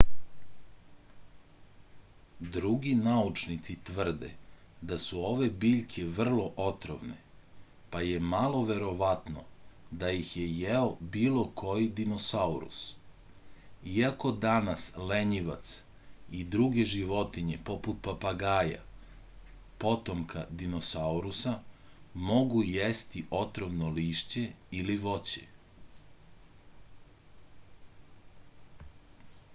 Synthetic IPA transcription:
d̪ɾuɡinaut͡ʃnit̪sit̪ʋr̩d̪e̞̰ | d̪asuo̞ʋe̞biːʎkʰe̞ʋr̩lˠo̞ʔot̪ɾo̰ʋnḛ | paje̞malˠo̞ʋe̞ɾo̞ʋat̪no̰d̪ajixje̞jeobiːlo̞kʰo̞jid̪inosauɾṵs | iako̞d̪anasleɲiʋa̰t̪s | id̪ɾuɡe̞ʒiʋo̞t̪iɲepo̞put̪̚papaɡaːja̰ | po̞t̪o̞mkʰad̪inosauɾusa | mo̞ɡujest̪iʔo̞t̪ɾoʋnoliːʃt͡ɕe̞iliʋo̞t͡ɕḛ

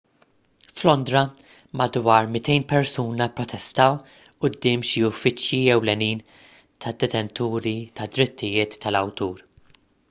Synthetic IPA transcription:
flɔnd̪ɾɐ | mɐd̪wɐːɾmɪt̪ɛjnpɛɾsuːnɐpɾɔt̪ʰɛst̪ɐw | ʔʊd̪ːɪːmʃiʊfːɪt͡ʃjiɛwlɛniːn | t̪ʰɐd̪ːɛt̪ɛnt̪uːɾit̪ɐd̪ɾɪt̪ʰːɪjɪːt̪ʰːɐlɐwt̪uːɾ

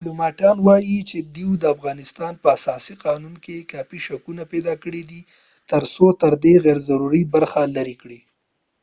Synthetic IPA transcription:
plomɑʈɑnwɑjit͡ʃed̪iwd̪əafɣɑnɪst̪ɑnpəasɑsiqɑnunkekɑpiʃakunaped̪ɑkəɽid̪i | t̪əɾsot̪əɾd̪eɣɛɾzaɾuɾibaɾxalaɾikɽi

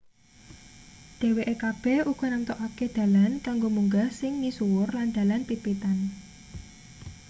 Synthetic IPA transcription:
d̪̥ɛ̤weʔekab̥ɛhuɡ̥ɔ̤nant̪ɔʔaked̪̥ä̤lankaŋɡomuŋɡahsɪŋnisuwʊrland̪̥ä̤lanpipit̪an

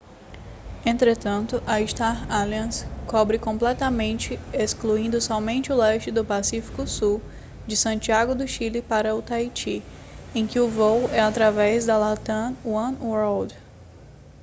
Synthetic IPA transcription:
ẽnt̪ɾet̪ɐ̃nt̪ʊʔɐiʃt̪aɾaliɐ̃skɔbɾɪkõmplɛt̪ɐmẽnt͡ʃɪeskluĩnd̪ʊsɔmẽnt͡ʃɪʊlɛʃt͡ʃɪd̪ʊpasifi̥kʊsu | d͡ʒɪsɐ̃t͡ʃiaɡʊd̪ʊʃilɪpaɾɐʊt̪ajt͡ʃi | ẽj̃kɪʊvowɛat̪ɾavɛzd̪ɐlat̪ɐ̃wɐ̃nwoɾld̪

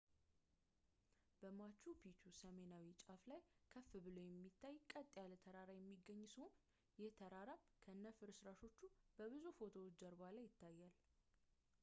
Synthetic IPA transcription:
b̥əmat͡ʃːupʰit͡ʃusəme̞nawit͡ʃʼaflajkʰəfːɨbɨlojɛmːit̪ʰːajkʼət̪ʼːjalət̪ʰəɾaɾajɛmːiɡːəɲːshon | jɪht̪ʰəɾaɾam | kʰəɨnːəfɨɾsɾaʃo̞t͡ʃːub̥əβɨzufo̞t̪ʰo̞ːt͡ʃd͡ʒəɾbalajːɪt̪ʰːajːal

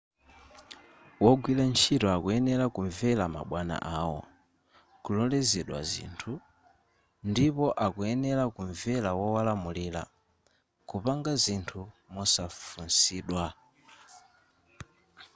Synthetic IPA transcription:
wɔɡwilant͡ʃʰitɔakuɛnɛlakuɱvɛlama̰ɓwana̰ʔawɔ̰ | kulɔlɛzɛɗwa̰zḭːntʰu | ndipɔʔakuɛnɛlakuɱvɛlawɔwalamuliːla̰ | kupaŋɡazintʰumɔsafunsiːɗwa

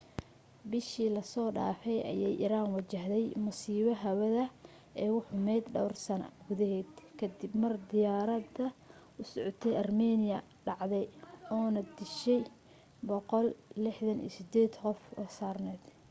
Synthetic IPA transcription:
bɪʃiːlɐsɔːɖa̰ːfɛjɐ̰jɛjʔɪ̰ɾaːnwɐt͡ʃɐɦðɛjmʊsiːβɐɦɐwɐðɐ | ʔɛːʊħʊmɛːd̪ɖɔwrsɐnɐ̰ɡʊðɐɦɛːd̪kʰɐd̪ɪbmɐrd̪ɪjaːɾɐd̪ɐ | ʊsɔʕɔt̪ʰɛjɐrmɛːnɪjɐ | ɖɑʕd̪ɛjɔːnɐd̪ɪʃɛj | bɔqɔllɪħðɐnḭːsɪd̪ɛːd̪qɔfɔ̰saːrnɛːd̪̥

